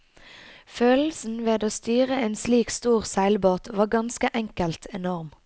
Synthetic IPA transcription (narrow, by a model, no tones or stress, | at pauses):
føːl̩sn̩ʋeːd̪oːst̪yːʁəeːnsliːkst̪uːʁsæɪlboːt̪ʋɑːʁɡɑnskəʔɛŋkəlt̪ʰɛnɔʁm